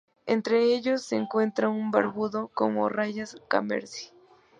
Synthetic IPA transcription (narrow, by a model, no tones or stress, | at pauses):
ḛnt̪ɾeeʎosːeŋkwe̞nt̪ɾaŋumba̰ɾβuðoko̰mo̰rajaska̰mḛɾsi̥